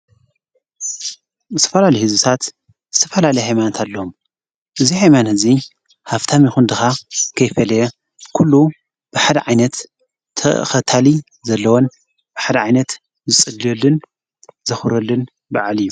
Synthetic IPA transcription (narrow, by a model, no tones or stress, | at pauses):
zɨt̪ʰɐ̥fɐlalɐjhɨzɨt̪ʰat̪ | zɨt̪ʰɐfɐlalɐjhajmanɐt̪ʰalːɐom | ʔɨzihajmanhɨzi | haft̪ʰamjɪxund̪ɨxakʰɐjfɐlɐjɐ | kʰulːu | b̥ɨħad̪ɐʕajnɐt̪ʰː | ɐ̰xɐt̪ʰali | zɐlːɐwon | b̥ɨħad̪ɐʕajnɐt̪ | zɨt͡sʼɨlːolɨn | zɐxuɾɐlːɨn | baʕalɨjːu